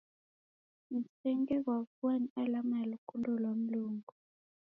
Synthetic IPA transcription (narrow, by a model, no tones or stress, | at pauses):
n̩sɛŋɡɛk̬wafwanialamalukundɔlwam̩luːŋɡu